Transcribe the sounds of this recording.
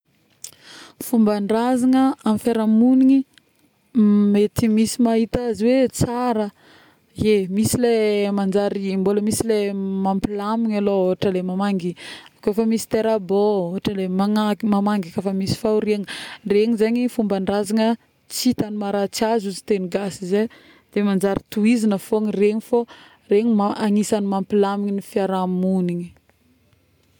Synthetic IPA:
fumbaɳɖ͡ʐazaŋəamifaɾamuniŋi | met̪imisimaɦit̪aziwet͡saɾə | emisilemand͡ʒaɾimboləmisilemampilamiɲalooɦaʈ͡ʂəlemamaŋɡiakoefəmisi̥t̪eɾabooɦaʈ͡ʂəlemaŋamamaŋɡakafəmisi̥fauɾiaŋreɲizeɲifumbənrazaŋə | t͡sit̪animaɾat͡siazuzit̪eniɡasize | d̪̥emand͡ʒaɾit̪uizinəfoŋreɲifo | reɲimaaŋisanimampilamiɲinifiaɾamuniɲi̥

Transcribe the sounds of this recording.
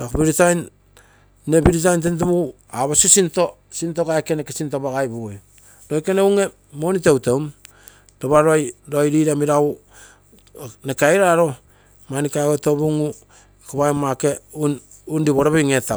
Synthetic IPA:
ɾakbiɾitajnː | ebiɾit̬ajnt̬ent̬oβu | aβasosinto | sintokaekenekesintoβaɡajbu | ɾojkeneuŋe̞ | mo̞nitewtewm | doβaɾoajɾojɾiɾamiɾau | nekajɾaɾo̞ | manikaɡotoβuŋu | kaβajmakeun | undiβoɾaβejŋeta

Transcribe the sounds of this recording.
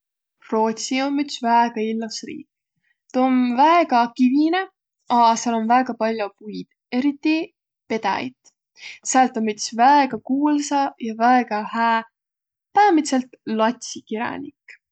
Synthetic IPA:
ro̞ːt̪sio̞mːyt̪svæeɡ̥ɑilːusrḭːk | t̪eonvæeɡ̥ɑkivine̞ | ɑsɑlo̞nvæeɡ̥ɑpɑlʲjopujd̪̥ | e̞ɾit̪ːˑi | pe̞d̪ɑ̰ḭt̪ | sælt̪ːˑomːyt̪svæeɡ̥ɑkuːlsɑjɑvæeɡ̥ɑhæː | pæːmit̪se̞lt̪lɑt̪ʲsikiɾɑ̰nʲikː

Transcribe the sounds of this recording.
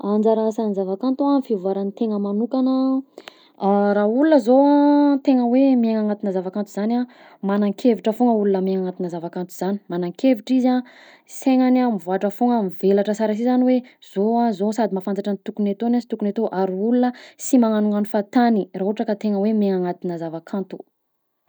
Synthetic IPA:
and͡zaɾasanizavakant̪uamifiuvaɾanit̪eŋəmanukanə | ɾaulunəzoat̪eŋəwemieŋaŋat̪inəzavakant̪uzana | manaŋkʰeviʈ͡ʂəfoŋəulunəmeŋaŋat̪inəzavakant̪uz̥ani̥manaŋkeviʈ͡ʂiza | seŋanamivaaʈ͡ʂəfoŋəmivelaʈ͡ʂəsaɾas̬izaniwez̥oazosad̪imafant͡saʈ͡ʂanit̪ukunet̪onasi̥t̪ukunet̪oʔaɾiulunəsimaŋanuŋanufat̪aniraɦoʈ͡ʂəkat̪eŋəwemeŋaŋat̪inazavakʰant̪u̥

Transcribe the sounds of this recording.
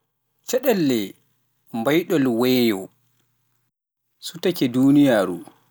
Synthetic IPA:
t͡ʃɛɗɛlːɛ | mbajɗɔlwɛːjɔ | sutakɛduːnijaːɾṵ

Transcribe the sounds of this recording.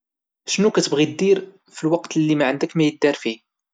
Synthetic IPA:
ʃnukæt̪əbʁid̪ːiɾ | filwɑqt̪lːimæʕənd̪əkmæjəd̪ːæɾfi

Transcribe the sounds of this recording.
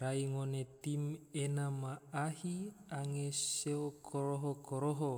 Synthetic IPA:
raiŋonet̪imenamaahiaŋeseokʰoɾoɦokoɾoɦo

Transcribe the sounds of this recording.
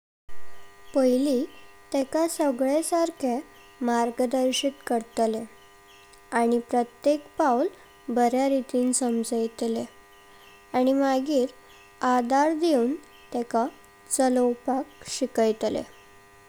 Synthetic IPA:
pəjliːt̪ɛkasəɡɭesaɾkʰe | maɾɡəd̪əɾɕiːt̪kəɾt̪le | aɽ̃ipɾət̪jekpaul | bəɾjaɾit̪iːnsəmd͡zəjt̪le | aɽ̃imaɡiːɾ | ad̪aɾd̪euːn | t̪ɛka | t͡sələwpakɕikəjt̪lḛ

